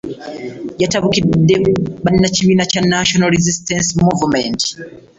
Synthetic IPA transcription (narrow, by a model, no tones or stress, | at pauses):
jatʰaβukidɛɓaninat͡ʃʰiwinat͡ʃanaʃɔnalɾizistɛnsmuvmɛnt